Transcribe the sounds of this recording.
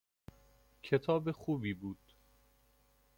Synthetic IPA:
cʰe̞t̪ʰɒːbexuːbiːbuːd̪̥

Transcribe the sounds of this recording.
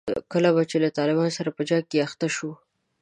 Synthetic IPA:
kəlaβat͡ʃelat̪ɑlɪbɑnosaɾapəd͡ʒɑkeaxt̪aʃu

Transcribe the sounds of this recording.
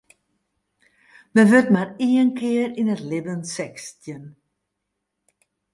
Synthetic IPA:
dəʋørtmariənkʰɪərinətlɪbənsɛkstjən

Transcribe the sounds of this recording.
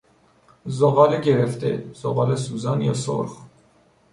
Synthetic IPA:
zoɣɒːleɟeɾeft̪ḛz̥oɣɒːlesuːzɒːnjɒ̰ːso̰ɾx

